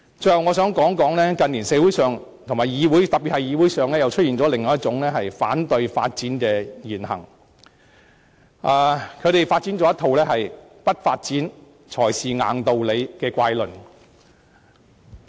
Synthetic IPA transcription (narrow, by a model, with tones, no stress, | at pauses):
t͡sɵ˧jhɐ˨wŋɔː˨˧sœː˨˥ŋkɔː˨˥ŋkɔː˨˥ŋlɛː˥kɐ˧nliː˨˩nsɛ˨˧˥wu˨˥jsœː˨ŋt̪ʰmaː˨˩jjiː˨˧wuː˨˥jt̪ɐ˨p̚iː˨t̚hɐ˨jiː˨˧wuː˨˥jsœː˨ŋlɛː˥jɐ˨wt͡ʃʰɵ˥iː˨nt͡sɔ˨˥lɪ˨ŋːɔː˨˧jɐ˥t̚t͡sʊ˨˥ŋlɛː˥ɦɐ˨jfa̰ː˨˥nt̪ɵ˧ɥfa̰ː˧t̚t͡siː˨˥nkɛː˧jiː˨˩nhɐ̰˨˩ŋ | ʔaː˨˩kʰɵ˨˧ɥɾe˨jfaː˧t̚t͡siː˨˥nt͡sɔ˨˥jɐ˥t̪ʰo˨wlɛː˥hɐ˨j | pɐ˥t̚faː˧t̚t͡siː˨˥n | t͡ʃʰɔː˨˩jsiː˨ŋa̰ː˨˩nt̪o˨˧wle˨˧jkɛː˧kʷaː˧jlɵ˨n